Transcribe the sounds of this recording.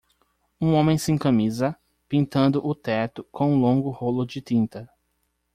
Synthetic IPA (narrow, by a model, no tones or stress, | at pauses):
ũõmẽj̃sɪẽkɐ̃mizɐ | pĩnt̪ɐ̃nd̪ʊʔʊt̪ɛt̪ʊkʰõw̃ũlõɡʊholʊd͡ʒɪt̪ĩnt̪ɐ